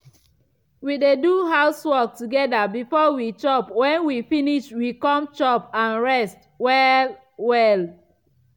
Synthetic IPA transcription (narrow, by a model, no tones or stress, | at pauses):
wideduɦaʊswɔk̚tuɡɛdabifɔwit͡ʃɔpwɛ̃nwifiniʃwikɔ̃mt͡ʃɔpãnɹɛst | wɛl | wɛl